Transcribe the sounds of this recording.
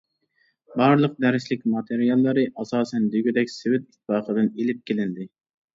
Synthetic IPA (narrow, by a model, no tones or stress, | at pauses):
bɑɾlˠəq̚d̪æɾɪʃlɪkʲmɑt̪ʰeɾijɑlˠːɨɾɨʔɑsɑːsɛnd̪yɡʲyd̪ɛkʲsɪwɪt̪̚i̥t̪̚bɑːqʰəd̪ɨnelɪp̚kʲelɪnd̪ɪ